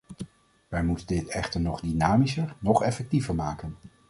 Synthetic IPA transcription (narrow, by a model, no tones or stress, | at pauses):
ʋɛjmutəndɪtɛχtəɹnɔχdinaːmisəɹnɔχɛfɛk̚tivəɹmaːkən